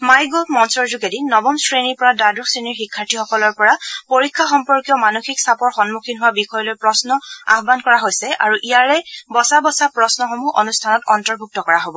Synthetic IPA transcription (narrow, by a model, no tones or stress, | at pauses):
majɡomɔnsɔɹzuɡedinɔbɔnsɹeniɹpɔɹadadɹɔksɹiniɹxikʰːaɹtʰixɔkɔlɔɹpɔɹapoɹikʰːaxɔmpɔɹkijɔmanoxiksapɔɹxɔnmukʰinɦʊwabixɔjɔlojpɹɔsnɔa̰ɦbankɔɹaɦojsɛʔa̰ɹuʔijaɹɛbɔsabɔsapɹɔsnɔxomuʔonustʰanɔtɔntɔɹbʱuk̚tɔkɔɹaɦobɔ